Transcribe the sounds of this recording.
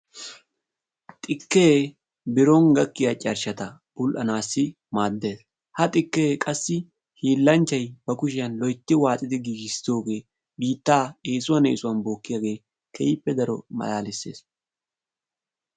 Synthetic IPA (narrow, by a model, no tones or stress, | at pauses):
t̪ʼɪkːeː | bɪɾɔŋɡɐkːɪjɐt͡ʃʼɐɾʃɐt̪ɐb̥ʊlʔɐnaːsːɪ | maːd̪ːe̞ːs | hɐt̪ʼɪkːeːkʼɐsːɪ | hiːlːɐnt͡ʃːɐjbɐkʊʃɪjɐnlɔjt̪ːɪwaːt͡sʼɪd̪ɪɡiːɡɪsɪ̥d̪o̞ːɡe̞ː | biːt̪ːaːeːsʊwɐnḛːsʊwɐnbo̞ːkːɪjaːɡe̞ː | kʰɛjɪpːɛd̪ɐɾɔ̰mɐ̰laːlɪsːe̞̰ːs